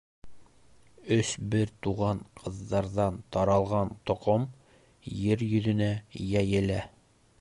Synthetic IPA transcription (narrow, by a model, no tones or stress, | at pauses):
ɵsbɘɾt̪uʁɑɴqʰɤ̆ðːɑɾðɑnt̪ɑɾɑlˠʁɑnt̪ŏqom | jɘɾjɵ̆ðɵ̆næjæjɘ̆læ